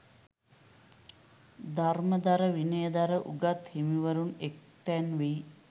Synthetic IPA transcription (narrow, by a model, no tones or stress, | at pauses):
d̪ʱarməd̪aɾəʋinəjəd̪aɾəʔuɡat̪himiʋəɾunek̚t̪ænʋej